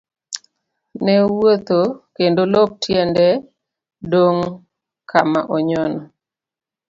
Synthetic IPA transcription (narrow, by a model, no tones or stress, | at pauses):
nɛwot̪okendolop̚tʰjɛndɛ | doŋ | kʰamaʔɔɲɔnɔ